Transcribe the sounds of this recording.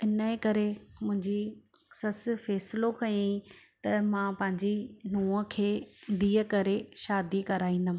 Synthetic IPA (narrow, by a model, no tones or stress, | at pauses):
ɪnəekɐɾemʊ̃ɦɪ̃ɲd͡ʑi | sɐsfɛːsɪlokɐjĩt̪ɐmãːpɐ̃ɦɪ̃ɲd͡ʑinuːəkʰeːd̪iːəkɐɾeʃaːd̪ikɐɾaːĩːn̆d̪əm̃ː